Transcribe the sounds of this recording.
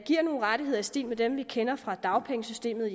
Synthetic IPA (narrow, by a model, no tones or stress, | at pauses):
ɡ̥iɐ̰no̝ːn̩ʁɑɾ̥ihe̝ð̰ˠɐisd̥ḭːlmed̥emʋikʰenɐfʁɑ̈d̥ɑ̈ʊpʰeŋəsysd̥e̝̰ːmð̩ˠi